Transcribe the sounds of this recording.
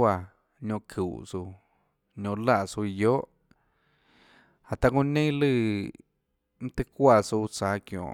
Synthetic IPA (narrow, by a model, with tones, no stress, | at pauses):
a˧˨ | ɲõ˧˨kʰṵ˨su˧ | ɲõ˧la˧˨su˧joː˦ʔ | a˨t̪a˧kũ˧nẽ˦ĩ˦lɨ˦˧˨ | m̩̃˦t̪ɨ˧kʷa˧˨su˧t͡saː˨˧kjõ̰˨